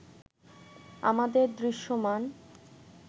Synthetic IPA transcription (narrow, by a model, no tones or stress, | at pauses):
a̰mad̪eɾd̪ɾiʃːoman